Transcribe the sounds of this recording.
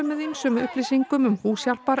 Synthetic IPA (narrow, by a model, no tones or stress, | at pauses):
mɪðinsɛmʏhpɾisiŋkʏmʏmhuːsjal̥paɾ